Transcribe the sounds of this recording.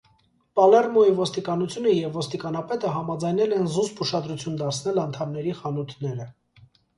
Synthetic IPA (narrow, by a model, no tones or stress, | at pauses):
pɑlɛrmɔivɔst̪ikɑnut͡sʰjunəjɛvːɔst̪ikɑnɑpɛt̪əɦɑmɑd͡zɑjnɛlɛnzuspuʃɑd̪ɾut͡sʰjund̪ɑɾt͡sʰn̪ɛlɑnt̪ʰɑmnɛɾiχɑnut̪ʰnɛɾə